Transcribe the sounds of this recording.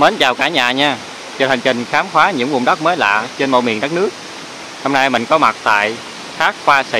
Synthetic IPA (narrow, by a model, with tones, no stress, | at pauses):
məː˨˦nt͡ɕaː˨˩wkaː˧˩ɲaː˨ɲaː˧ | t͡ɕɔ˧˩hʰa˨˩ŋ̟t͡ɕï˨˩ŋ̟xaː˨˦mxwaː˨˦ɲɨ̰˧˥ŋvṵ˨˩ŋ͡mɗa˦˥t̚məː˨˦jla̰ː˧˨t͡ɕe˧nmo̰˧˨mḭ˧˨əŋɗa˦˥k̚nɨ˦˥ək̚ | hɔ˧mna˧jmï˧˨˩ŋ̟kɔ˨˦ma˨˩t̚t̪a̰ː˧˨j | xaː˦˥k̚xwaː˧sḭ˧˨